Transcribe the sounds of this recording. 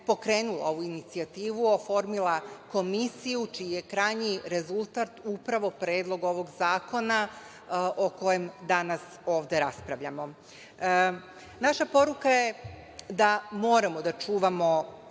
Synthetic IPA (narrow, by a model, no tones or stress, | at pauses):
po̞kɾe̞ːnulˠa̰o̞ʋuinit̪siat̪iːʋuofo̞ɾmilˠako̞misijut͡ʃijije̞kɾajɲiɾe̞zulˠt̪aːt̪upɾaʋo̞pɾe̞ːd̪lˠo̞ɡo̞ʋo̞ɡzaːko̞na | ʔo̞ko̞jemd̪anas | o̞ːʋd̪e̞ɾaspɾaʋʎamo̞ | naʃapo̞ɾukaje̞ | d̪amo̞ːɾamo̞d̪at͡ʃuːʋamo̞